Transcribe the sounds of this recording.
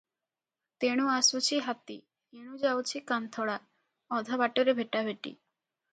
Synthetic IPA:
t̪eɽ̃uasut͡ɕʰiɦat̪i | eɽ̃ud͡ʑawt͡ɕʰikant̪ʰɔɽa | ɔd̪ʱabaʈoɾebʱeʈabʱeʈḭ

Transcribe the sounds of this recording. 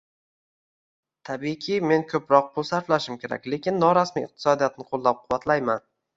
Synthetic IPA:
t̪ʰabikʲʰɪme̞nkʰɵpɾɒq̚bolˠsaɾflaʃɪmkʲʰe̞ɾa̰kʲle̞kʲʰɪnːɒɾasmiɪq̚t̪ʰɪ̥sɒd̪ijat̪nɪqʰolˠːap̚qʰʊwat̪ʰlajman

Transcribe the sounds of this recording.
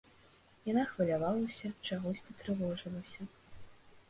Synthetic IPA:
janaxvɐlʲavalˠɐsʲɐt͡ʂaɣɔsʲt͡sʲit̪ɾɨvɔʐɨlˠɐsʲɐ

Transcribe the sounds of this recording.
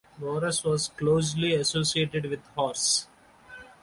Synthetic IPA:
ʋoːɾəsʋɔːzkloːs̬liɐsoːsieːʈeɖʋɪd̪hɔːɾs

